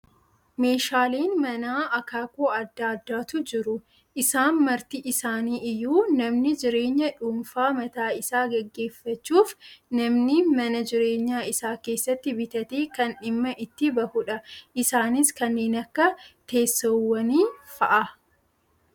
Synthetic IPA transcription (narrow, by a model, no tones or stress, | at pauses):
me̞ːʃaːleːnmɐnaːʔɐkaːkoːɐd̪ːaːd̪ːaːt̪ʊd͡ʒɪɾʊ | ʔɪsaːnmɐɾt̪iʔɪsaːniːʔɪjːuːnɐmnɪd͡ʒɪɾe̞ːɲːɐᶑumfaːmɐt̪aːɪsaːɡɛɡːe̞ːfːɐt͡ʃːuːfnɐmnɪmɐnɐd͡ʒɪɾe̞ːɲːaːɪsaːke̞ːsːɐt̪ːɪbɪt̪ɐt̪eːkɐnɪmːɐʔɪt̪ːɪbɐhʊᶑɐʔɪsaːnɪskɐnːeːnɐkːɐt̪e̞ːsːɐwːɐniːfɐʔɐ